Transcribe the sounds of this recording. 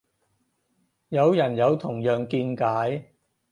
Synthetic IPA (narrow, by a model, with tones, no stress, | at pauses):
jɐ˨˧wjɐ˨˩njɐ˨˧wt̪ʰʊ˨˩ŋjœː˨ŋkiː˧nkaː˨˥j